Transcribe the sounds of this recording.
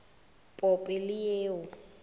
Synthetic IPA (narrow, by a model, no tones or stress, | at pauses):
pʼɔpʼɪlɪjeːʊ